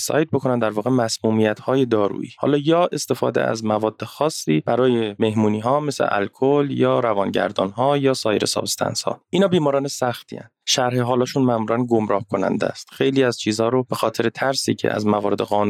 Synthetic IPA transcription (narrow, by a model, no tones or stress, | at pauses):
sɒ̰ːjt̪̚bo̞kʰo̞nænd̪æɾvɒːɣemæsmuːmijæt̪hɒːje̞d̪ɒːɾṵːʔḭːhɒ̰ːlɒːjɒːe̞st̪e̞fɒ̰ːd̪ḛæ̰zmævɒːd̪̥ːexɒːsːiːb̥æɾɒːje̞me̞hmuːniːɦɒːmeslḛʔæ̰lkʰoljɒːɾævɒːnɟæ̰ɾd̪ɒːnɦɒːjɒːsɒːjeɾḛsɒ̰bst̪ʰæ̰nshɒ̰ʔiːnhɒːbiːmɒːɾɒːnesæxt̪ʰḭæ̰n | ʃæɾheɦɒːlɒːʃunmæmuːɾænɡo̞mɾɒːhkʰo̞næ̰nd̪æ̰st̪xejliːæzt͡ʃʰiːzhɒːɾob̥e̞xɒːt̪ʰe̞ɾet̪ʰæɾsḭːcʰḛæ̰zmævɒːɾe̞d̪eɣɒːnu